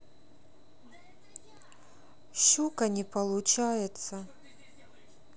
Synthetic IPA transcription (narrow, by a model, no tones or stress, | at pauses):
ɕukɐnʲɛpɐlˠut͡ʃajɛt̪sɐ